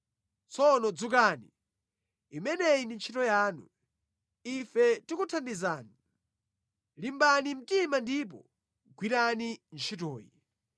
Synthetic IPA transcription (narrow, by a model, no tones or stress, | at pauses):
t͡sʰɔnɔd͡zuk̬ani | imɛnɛindint͡ʃʰitɔjaːnṵ | ifɛtikutʰandizaːni | limbanim̩timandip̬ɔ̰ | ɡwiɾanint͡ʃʰitɔːjḭ